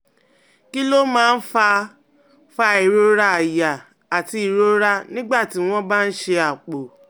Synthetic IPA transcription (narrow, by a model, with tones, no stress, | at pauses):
ki˦lo˦mãː˦˧n̩˦fa˧ | fa˧i˨ɾo˦ɾa˧a˨ja˨ | a˨ti˧i˨ɾo˦ɾa˦nĩ˦ɡ͡ba˦˨ti˨˦w̃ɔ̃˦ba˦n̩˦ʃe˧a˨k͡po˨